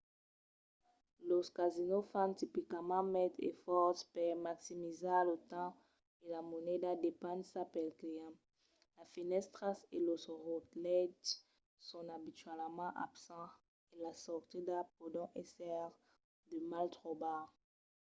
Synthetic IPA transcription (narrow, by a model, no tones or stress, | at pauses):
loskazinofãnt̪ipikamɑ̃mɛt̪ḛfɔʁspɛʁmaksimizalət̪ɑ̃ | elamonɛdad̪epɑ̃nsapɛlkiɛ̃ | lafinɛst̪ʁaselosʁot̪lɛd̪ | sɔ̃abit̪ɥɛlmɑ̃ʔabsɑ̃ | elasɔʁt̪id̪apod̪ɔ̃ʔesɛʁ | d̪əmalt̪χoba